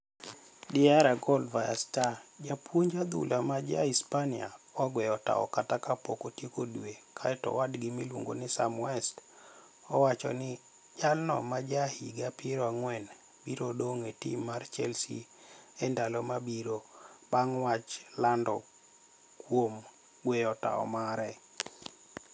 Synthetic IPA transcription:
dɪaɾaɡɔlvaja̰stad͡ʒapwoɲd͡ʒad̪ṵlʔamad͡ʒa̰ispania̰ɔɡwɛɔta̰ɔ̰katakapokotjekodwekʰaɛtɔ̰wadɡimilwo̰ŋɡonɪsamwɛst | ɔwat͡ʃɔ̰nɪ | d͡ʒalnɔ̰mad͡ʒahḭɡapɪɾɔaŋwɛn | biɾodoŋetḭmːart͡ʃɛlsḭɛndalɔmabiɾobaŋwat͡ʃlandɔ | kwom | ɡwɛjɔta̰ɔ̰maɾɛ

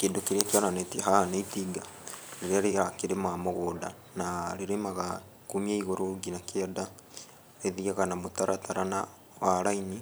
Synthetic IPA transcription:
keːndokeɾakjɔnanetiahaneitiɡa | ɾeɾeaɾeakeɾemamoɣoːda̰ | naɾeɾemaɣa | kumiaiɣoɾoɡinakeɔda | ɾeðiaɣanamotaɾataɾana | waɾaini

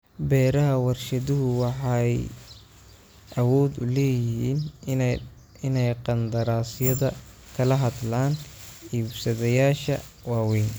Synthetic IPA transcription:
bɛːɾɐɦɐwɑrʃɐðʊɦʊwɑħɑj | ʔɐwɔːd̪ʊ̰lɛːjɪɦḭːn | ɪnɛjqɑnd̪ɐɾaːsjɐðɐ | kʰɐlɐɦɐd̪laːn | iːbsɐðɐjaːʃɐ | wɑːwɛjn

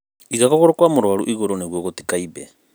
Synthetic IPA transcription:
iɣakoɣoɾokwamuɾwaɾṵʔiɣoɾoneɣwoɣoti̥kaibḛ

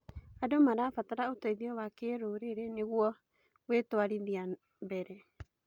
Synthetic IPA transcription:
adomaɾafataɾaotaiðiɔwakeɾuɾeɾeneɣuɔ | wetoaɾiðia | bɛɾɛ

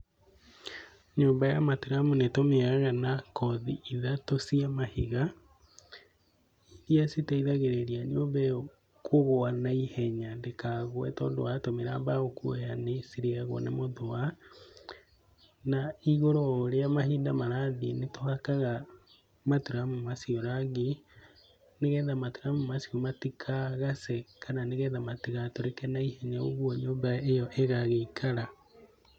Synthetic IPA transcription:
ɲoːmbajamateɾamunetomeaɣanakɔðiiðatosiamahiɣa | jasitaiðaɣeɾeɾiaɲomba | kʰoɣoanaihɛɲandekaɣwɛtɔːndo̰atomeɾambaɣokuojanesiɾeaɣwɔ̰nemoðoa | naiɣoɾɔɾeamahiːndamaɾaðinetohakaɣa | matoɾamomasiɔɾaɡe | neɣɛðamatoɾamomasiɔmatikʰaɣasɛkʰananeɣɛðamatiɣatoɾekɛnaihɛɲaoɣwɔɲoːmbaejɔʔeɣaɣeikʰaɾa

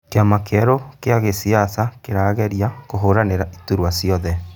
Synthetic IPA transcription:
keamakɛɾokeaɣesiasakeɾaːɣɛɾiakoɦoɾaneɾaituɾwasiɔðɛ

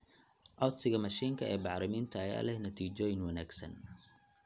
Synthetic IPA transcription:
ʔɔt̪sɪɣɐmɐʃiːŋkʰɐɛːbɑħɾɪmiːnt̪ʰɐːja̰ːlɛhnɐt̪ʰiːt͡ʃɔːjɪŋwɐnaːɡsɐ̰n

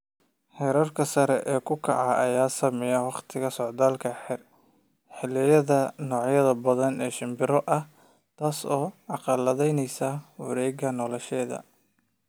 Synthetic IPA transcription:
hɛːɾɐrkʰɐsɐɾɛʔɛːkʰʊkʰɑ̰ʕaʔɐjaːsɐmɪjɐwɑqt̪ʰɪɣɐsɔʕd̪aːlkʰɐħɪr | ħɪlɪjɐðɐnɔːʕjɐðɐbɐðɐnɛːʃɪmbɪɾɔʔɐh | t̪ʰaːsɔːʕɑqɑlɐðɛjnɛjsawɑɾɛːɡɐnɔlɛʃɛːðɐ̰

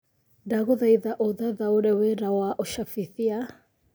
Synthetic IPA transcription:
daɣoðaiðaʔoðaðaoɾɛweɾawaʔɔʃafiθia

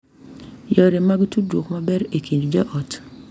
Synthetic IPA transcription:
jɔɾemaɡitudwokmabɛɾekʰiɲd͡ʒd͡ʒɔʔɔt

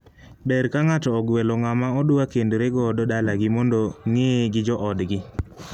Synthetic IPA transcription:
bɛɾkaŋatɔːɡwelɔŋamaɔdʊwakendoɾeɡɔdɔdalaɡɪmɔndoŋeɡɪd͡ʒɔʔɔdɡɪ

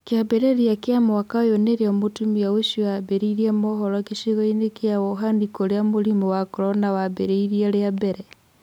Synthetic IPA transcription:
kjabeɾeɾjakjamwakajoneɾeamotumiaweʃoabeɾeiɾiemɔhɔɾɔkeʃiɣainekjawoɦandikoɾeamoɾimowakɔɾɔnawabḛɾeiɾieɾeabeɾe

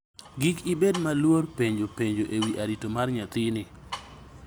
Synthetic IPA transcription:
ɡikibedmalworpeɲd͡ʒopeɲd͡ʒoʔewiʔaɾitomarɲat̪ɪnɪ

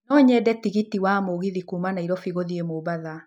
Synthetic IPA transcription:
nɔɲɛːdɛtiɣitiwamoɣiðikumanaiɾɔfiɣoðiemoːbaða

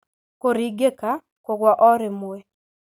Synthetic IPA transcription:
koɾiɡeka | koɡwaʔɔɾɪmʊɛ

